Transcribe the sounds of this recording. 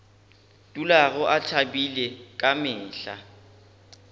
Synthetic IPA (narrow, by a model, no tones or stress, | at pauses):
tʼulaɣʊʔatʰabilɛkʼamɪːɬa